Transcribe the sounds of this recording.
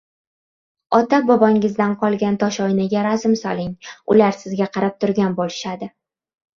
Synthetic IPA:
ɒt̪abɒbɒŋɪzd̪anqʰɒlˠɡʲant̪ʰɒʃɒjnaɡʲaɾazɪmsɒlˠɪŋʊ̰laɾsɪzɡʲaqʰɑɾap̚t̪ʰʊɾɡʲanbolɪʃad̪ɪ

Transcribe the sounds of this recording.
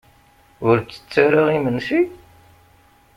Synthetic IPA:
ʊɾt͡sːə̥t͡sːaɾaʁimənsi

